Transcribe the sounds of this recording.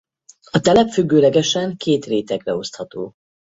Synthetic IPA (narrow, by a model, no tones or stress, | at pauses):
ɒt̪ɛlɛpfyɡːøːlɛɡɛʃɛŋkeːt̪reːt̪ɛɡrɛo̞st̪hɒt̪o̰ː